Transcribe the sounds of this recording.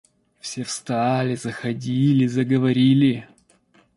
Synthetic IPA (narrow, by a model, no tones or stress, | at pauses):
fsʲefst̪alʲɪzəxɐdʲilʲɪzəɡəvɐɾʲilʲɪ